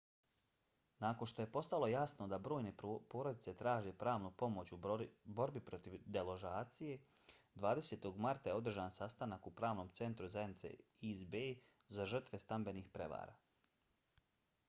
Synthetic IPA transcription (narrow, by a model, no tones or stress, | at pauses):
naːko̞nʃt̪o̞je̞po̞st̪alo̞jasno̞d̪abɾo̞ːjne̞po̞ːɾo̞d̪it̪se̞t̪ɾaːʒe̞pɾaːʋnupo̞mo̞t͡ɕubo̞ɾbipɾo̞t̪iʋd̪elo̞ʒaːt̪sije̞d̪ʋaːd̪e̞set̪o̞ɡmaɾt̪ajeo̞d̪r̩ʒaːnsast̪anakupɾaːʋno̞ːmt̪se̞nt̪ɾuzajed̪nit̪sḛizbe | zaʒr̩t̪ʋe̞st̪ambe̞nixpɾe̞̰ʋa̰ːɾa̰ː